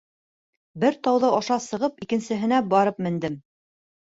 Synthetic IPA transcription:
bɘɾt̪ɑwðɤʔɑʃɑsɤ̆ʁɤpikɘ̆nsɘ̆ɦɘ̆næbɑɾɤpmɘ̆nd̪ɘm

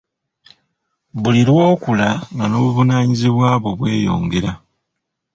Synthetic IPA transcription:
βuliɾwo̞ːkulaŋɡano̞ːβuvunaːɲiziβwaːβwo̞βwe̞ːjo̞̰ːŋɡe̞ɾa

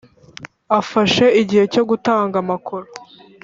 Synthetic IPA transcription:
afaʃe̞iɟihe̞co̞ɡutaːŋɡamakʰuɾo

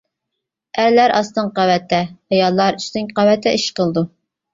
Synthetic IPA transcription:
æɾlæɾʔɑst̪ɨŋqɑwɛt̪ʰːɛhɑjɑlˠːɑɾyʃnɪŋqɑwɛt̪ʰːɛʔiʃqəlˠd̪u

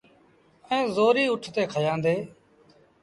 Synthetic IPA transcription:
ẽːzoːɾiːʊʈʰt̪eːkʰəjãːnd̪eː

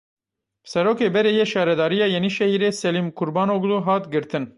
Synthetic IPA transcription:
bsɛɾoːkeːbɛɾejɛʃɑːɾɛd̪ɑːɾijɑːjeniʃɛhiɾeːsɛlimkʰuɾbɑːnoɡd̪uɦɑːt̪ɡɨɾt̪ʰɨn

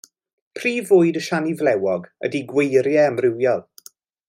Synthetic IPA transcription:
pʰriːvʊːɨdəʃanivlɛwɔɡə̰diɡwejɾjɛəmrɪwjɔlˠ

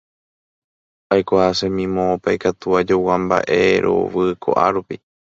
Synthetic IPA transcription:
ajkʷahasẽmĩmõːpajkat̪uad͡ʒowãmba̰ʔe̞ɾʔo̞̰ʋɨkʰo̰ʔa̰ɾupi

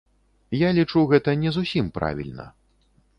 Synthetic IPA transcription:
jalʲit͡ʂuɣɛt̪ɐnʲɛzusʲimpɾa̰vʲḭlʲnɐ̰

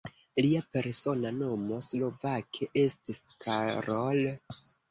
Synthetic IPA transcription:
liape̞ɾso̞nano̞mo̞slo̞vakʰeʔe̞stiskʰaɾol

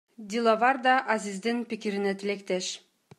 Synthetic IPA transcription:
d̪ʲilˠɑvɑɾd̪ɑʔazizd̪inpikiɾinet̪ilekt̪eʃ

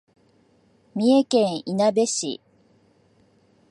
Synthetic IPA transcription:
mʲiekẽɰ̃inabe̞ɕḭ

